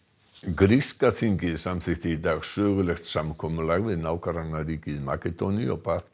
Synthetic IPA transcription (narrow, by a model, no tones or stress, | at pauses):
ɡɾiskaθɪŋkɪðsamθɪxt̪id̪aɣsøːɣʏlɛxt̪samkʰɔmʏlaɣvɪðnawkaɾanaɾiːkɪðma̰kɛd̪ɔniɔbat̪